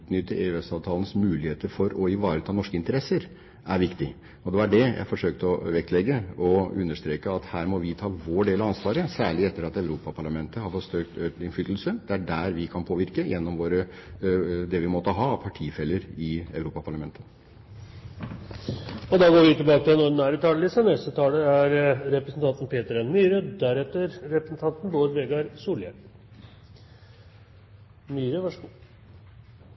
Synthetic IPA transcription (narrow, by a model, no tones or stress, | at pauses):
ʉːt̪nʏt̪ːəʔeːʉɛsɑːʋt̪ʰɑːlənsmʉːlɪheːt̪əɾfɔɾɔɪʋɑːɾət̪ʰɑːnɔʂkəɪnt̪əɾɛsːəɾ | ʔæɾʋɪkt̪ɪ | ɔd̪ɛʋɑɖɛjæ̰ɪfɔʂøːk̚t̪əɔʋɛkt̪lɛɡːəɔʉnːəʂt̪ɾeːkəɑt̪hæːɾmɔʋɪt̪ʰɑːʋoːɖeːlɑɑnsʋɑːɾəsæːɭɪɛt̪ːəɾɑt̪æʉɾuːpɑpʰɑɭɑmɛnt̪əhɑɾfɔʂøk̚t̪t̪ɪnfʏt̪l̩səd̪ɛæɖæɾʋɪkʰɑnpʰoːʋɪɾkəjɛnːɔmʋoːɾə | d̪ɛʋɪmɔt̪ːəɦɑpʰɑʈʰiːfɛlːəɾɪæ̰ʉɾuːpɑpʰɑɭɑmɛnt̪ʰə̥ | ɔd̪ɑɡoːɾʋɪt̪ɪlbɑːkət̪ʰɪlɛnɔːɖnæːɾət̪ʰɑːllɪsənɛst̪ət̪ʰɑːləæɾɾɛpɾəsn̩t̪ɑnt̪n̩pʰeːt̪əɾɛnmyːɾəd̪æɾɛt̪ːəɾɾɛpɾəsn̩t̪ʰɑnt̪nboːɾʋeːɡɑɾsuːljə | myːɾəʋɑ